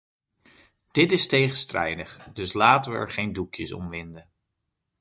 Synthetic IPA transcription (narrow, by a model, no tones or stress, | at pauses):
d̥ɪtɪstejχənstrɛ̰jdəχd̥ɵslaːtəʋəɛ̰ɹχejndukjəsɔ̰mʋɪndən